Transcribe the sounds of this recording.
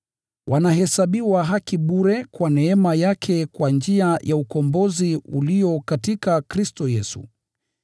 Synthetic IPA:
wʔanaɦɛsaɓiwaɦakiɓuɾɛkwanɛɛmajakʰɛkwand͡ʒiajʔaukɔmbɔziuliɔkatikakɾistɔjɛsṵ

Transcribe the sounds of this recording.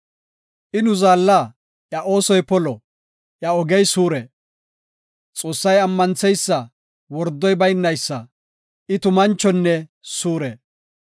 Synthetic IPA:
ʔɪnʊzaːlːa | ʔjɐʔo̞ːsɔjpɔlɔ | ʔjɐɔɡɛjsuːɾɛ | t͡sʼo̞ːsːɐjɐmːɐnt͡sɛjsːɐ | wɔɾd̪ːɔjbɐjnːɐjsːɐ | ʔɪt̪ʊmɐnt͡ʃːɔnːɛsuːɾɛ

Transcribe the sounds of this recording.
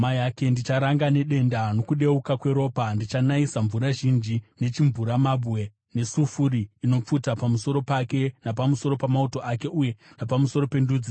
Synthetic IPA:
majake̞ndit͡ʃaɾaŋɡane̞ɗe̞ndano̞kuɗe̞ukakwe̞ɾo̞ːpandit͡ʃanaisaɱvuɾaʒind͡ʒine̞t͡ʃiɱvuɾamabwe̞ | ne̞sufuɾiino̞p͡futapamuso̞ɾo̞pake̞napamuso̞ɾo̞pamauto̞ʔake̞ʔuje̞napamuso̞ɾo̞pe̞nduːd͡zi

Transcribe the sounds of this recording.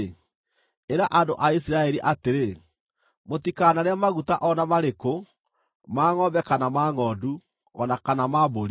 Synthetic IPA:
eɾaʔandoʔaisiɾaɛɾiʔateɾe | motikanaɾeamaɣutaʔɔnamaɾeko | maːŋɔbɛkanamaːŋɔːdu | ɔnakanamaboɾi

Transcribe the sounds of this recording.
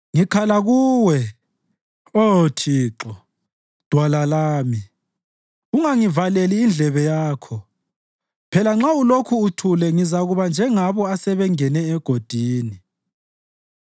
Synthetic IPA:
ŋikʰalaɣuːwɛ | otʰiːǁɔ | d̥ʱwalalaːmi | uŋaŋivaleliːnd͡ɮʱɛβɛjaːkʰɔ | pʰɛlaŋ͡ǁaulokʰuːtʰulɛŋizaɣuβand͡ʒʱɛŋaβɔasɛβɛŋɛnɛːɡ̥ʱod̥ʱiːni

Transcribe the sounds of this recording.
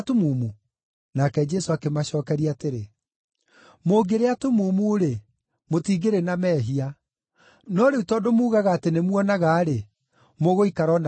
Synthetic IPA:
tomumu | nakɛd͡ʒɛsoakemaɕɔːkɛɾiateɾe | moɡeɾeatomuːmuoɾe | motiːɡeɾenamɛːɦia | nɔɾeutɔdomuːɣaɣaːtenemwɔnaɣaːɾe | moɣoikaɾɔn

